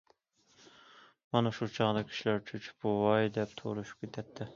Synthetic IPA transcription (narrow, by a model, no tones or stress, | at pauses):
mɑnɑʃut͡ʃʰɑʁd̪ɑkʲʰi̥ʃilæɾt͡ʃʰyt͡ʃʰbuwɑjd̪ɛp̚t̪ʰo̰ɾuʃu̥p̚kʲet̪ʰːɛt̪ʰːɛ